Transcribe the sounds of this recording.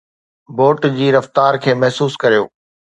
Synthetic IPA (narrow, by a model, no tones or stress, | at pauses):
boːʈd͡ʑiːɾɐft̪aːɾkʰeːmɛɦsuːskɐɾijo̰ː